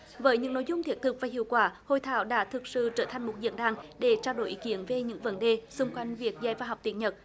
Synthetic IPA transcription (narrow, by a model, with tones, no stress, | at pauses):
vəː˨˦jɲɨ̰˧˥ŋno̰˧˥˦jzʊ˧ŋ͡mt̪ʰi˨˥ət̚t̪ʰɨ˨˩k̚vaː˨˩hḭ˧˨əwkwaː˧˩ho̰˧˨jt̪ʰaː˧˦wɗa̰ː˧˥t̪ʰɨ˨˩k̚sɨ̰˧˨t͡ɕəː˧˩t̪ʰa˨˩jŋ̟mo˨˩t̚zḭ˧˥ənɗaː˧˩ŋɗe˧˩t͡ɕaː˧wɗo̰˧˨˩jʔḭ˨˦ki˨˦ənve˨˩ɲɨ̰˧˥ŋvə˨˦nɗe˨˩sʊ˧ŋ͡mkwa˧jŋ̟vi˨˩ət̚zaː˧˩jvaː˧nɦa˨˩wk͡p̚t̪i˨˩˦t̚ɲə˨˩t̚